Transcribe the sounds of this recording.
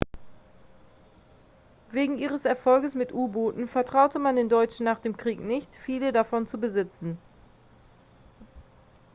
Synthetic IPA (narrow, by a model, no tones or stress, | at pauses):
veːɡŋ̩iːʁ̞əsɛɐfɔlɡəsmɪtʔuːboːtn̩fɛɐtʁ̥aʊtəmandeːndɔʏt͡ʃn̩ːaːχd̥eːmkʁ̥iːknɪçtfiːlədafɔnt͡subəzɪt͡sn̩